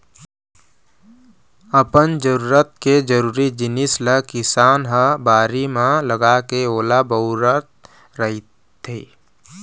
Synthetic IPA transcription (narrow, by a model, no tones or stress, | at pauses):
əpənd͡ʒəɾuːɾət̪̚ked͡ʒəɾuːɾid͡ʒɪnisləkɪsaːnɦəbaːɾimãləɡakeoːlabəʊɾət̪̚ | ɾəɦit̪ʰeː